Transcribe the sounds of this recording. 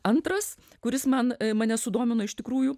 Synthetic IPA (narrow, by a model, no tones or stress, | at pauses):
ɐnt̪ɾɐs | kʊɾʲɪsmɐnmɐnʲɛsʊd̪oːmʲɪnoɪʃt̪ʲɪkɾuːjuː